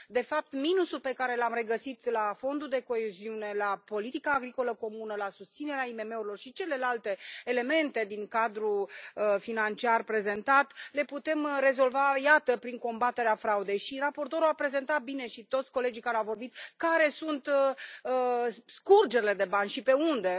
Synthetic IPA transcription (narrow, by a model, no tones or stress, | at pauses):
d̪e̞fap̚t̪minusulpe̞kaɾe̞lamre̞ɡəsit̪lafo̞nd̪uld̪e̞ko̞eziune̞lapo̞lit̪ikaːɡɾiko̞ləko̞munəlasust̪sine̞ɾeaime̞me̞uɾilo̞rʃit͡ʃe̞le̞lalt̪e̞ːle̞me̞nt̪e̞d̪iŋkad̪ɾuəfinant͡ʃiarpɾe̞ze̞nt̪at̪le̞put̪e̞mre̞zo̞lvajat̪əpɾiŋko̞mbat̪e̞ɾeafɾaud̪e̞jʃirapo̞rt̪o̞ɾuapɾe̞ze̞nt̪at̪̚bine̞ʃit̪o̞t̪sʲko̞le̞d͡ʒijkaɾeawvo̞rbit̪̚kaɾe̞sunt̪ | skurd͡ʒe̞ɾile̞d̪e̞banʲʃipe̞und̪e̞